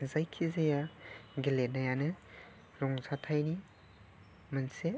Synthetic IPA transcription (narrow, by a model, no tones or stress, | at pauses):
zajkʰizajaɡilet̚najanɯ | ɾɔŋzatʰajni | manse